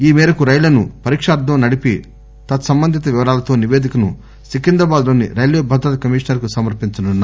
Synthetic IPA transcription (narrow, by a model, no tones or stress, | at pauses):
iːmɛːɾɐkuɾɐjlɐnupɐɾiːkʂɐaːɾd̪ʱːɐmnɐɽipi | t̪ɐt̪sɐmbɐnd̪ʱit̪ɐʋiʋɐɾaːlɐt̪o̞ːniʋeːd̪ikɐnu | sikind̪ɾɐbaːd̪loːnːḭɾɐjleːbʱɐd̪ɾɐt̪ɐkɐmiːʂnɐɾkusɐmɐɾpiɲt͡ʃɐnunːa